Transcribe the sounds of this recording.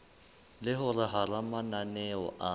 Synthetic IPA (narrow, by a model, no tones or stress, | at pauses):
lɪɦʊrɪɦaramananɛɔ̰ʔa